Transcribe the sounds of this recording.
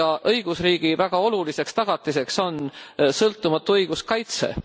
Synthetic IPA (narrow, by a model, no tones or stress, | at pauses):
ɑʔɤjɡ̥usriːɡ̥ivæɡ̥ɑo̞lulise̞kst̪ɑɡ̥ɑt̪ːˑise̞kso̞nsɤlt̪ːˑumɑt̪ːˑuɤjɡ̥uskɑjt̪se̞̰